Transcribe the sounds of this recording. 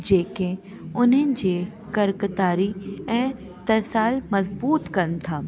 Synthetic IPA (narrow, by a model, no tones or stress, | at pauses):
d͡ʑeːkẽ | ʊnɦənɪ̆d͡ʑeː | kɐɾkət̪aːɾiɛ̃ː | t̪ɐsaːlmɐzbuːt̪kɐnt̪ʰaː